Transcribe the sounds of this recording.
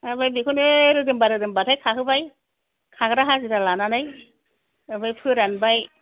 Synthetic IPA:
abajbikʰɯneɾɯdɯmbaɾɯdɯmbatʰajkʰaɦɯbaj | kʰaɡɾaɦaziɾalananaj | ɯbajpʰɯɾanbaj

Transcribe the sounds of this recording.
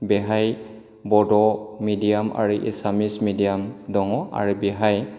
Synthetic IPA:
bɛɦaj | bɔdɔmidiama̰ɹuʔḭsamismidijamdɔŋɔʔa̰ɹubɛɦaj

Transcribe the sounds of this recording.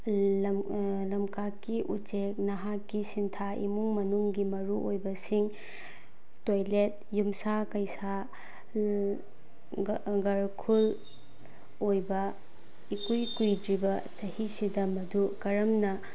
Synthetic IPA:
lɐmkakːiʔut͡ʃek̚nɐɦakːisintʰaʔḭmuŋmɐnuŋɡimɐɾuʔojbɐsiŋ | tojlet̚jumsakɐjsa | ɡɐɾkʰul | ojbɐ | ikujkujdɾibɐt͡ʃɐhisidɐmɐdukɐɾɐmnɐ

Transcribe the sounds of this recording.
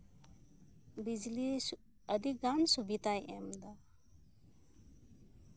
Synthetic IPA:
bid͡ʒli | əd̪iɡansubit̪ajʔɛmd̪a

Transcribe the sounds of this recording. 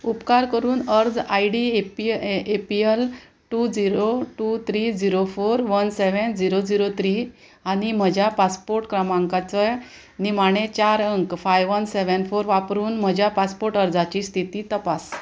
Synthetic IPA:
upkaɾkəɾuːnəɾd͡zajɖipepiel | ʈud͡ziɾoʈut̪ʰɾid͡ziɾofoɾʋənseʋənd͡ziɾod͡ziɾot̪ʰɾi | anim̤əd͡ʑʱjapaspoɾʈkɾəmaŋkat͡sə | nimaɽ̃et͡ɕaɾəŋkfajʋʋənseʋənfoɾʋapɾuːnm̤əd͡ʑʱjapaspoɾʈəɾd͡zat͡ɕiːst̪ʰit̪iːt̪əpas

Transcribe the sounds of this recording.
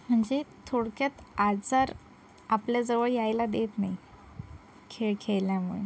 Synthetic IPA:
m̤əɳd͡zet̪ʰoɽkjat̪at͡saɾ | apljad͡zəʋəɭjajlad̪et̪nai | kʰeɭkʰeɭljamuɭḛ

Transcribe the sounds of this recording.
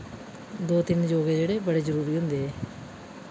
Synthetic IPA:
d̪oːt̪ɪnd͡ʒoːɡeːd͡ʒeːɽeːbəɽeːzəɾuːɾiːɦʊ̃nd̪eːɛː

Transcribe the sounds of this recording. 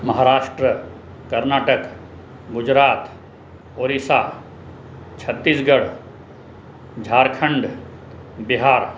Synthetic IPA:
mɐɦaːɾaːʂʈɾə | kɐɾnaːʈək | ɡʊd͡ʒɾaːt̪ | oːɾiːsaː | t͡ʃʰɐt̪ːiːsɡɐɽ | d͡ʒʱaːɾkʰɐ̃ɳɖ | biɦaːɾ

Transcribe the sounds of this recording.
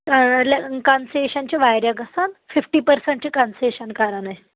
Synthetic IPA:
alkanseɕant͡ɕiʋajɾjaɡʱəsanfifʈiːpəɾsẽɳʈt͡ɕikanseɕənkaɾəɳaj

